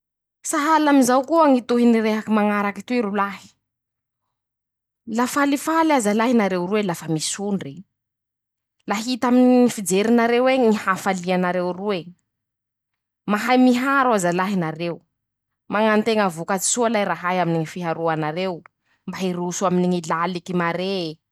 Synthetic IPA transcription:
saɦalaminzawkuaŋit̪uɦiniɾeɦakimaŋaɾakit̪uiɾulahi̥ | lafalifalazalaɦinaɾewruelafəmisuɳɖ͡ʐe | laɦit̪aminiŋifid͡zeɾinaɾeweŋŋihafalianaɾewrue | maɦajmiɦaɾazalaɦinaɾeu | maŋant̪eŋavukat͡si̥sualajɾaɦajaminiŋifiɦaɾuanaɾew | mbaɦiɾusuaminiŋilalikimaɾe

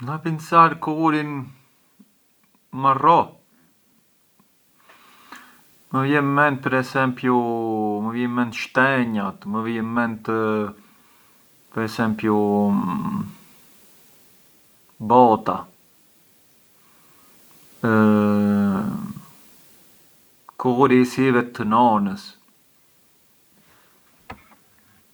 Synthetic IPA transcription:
napinsaɾkɔɾin | marɔ | məvjɛmɛnt̪̚pəɾɛsɛmpjuməvjɛmɛnt̪ʃt̪ɛɲat̪məvjɛmɛnt̪ | pəɾɛsɛmpju | bɔt̪a | kuɣuɾisivɛt̪ːənɔnəs

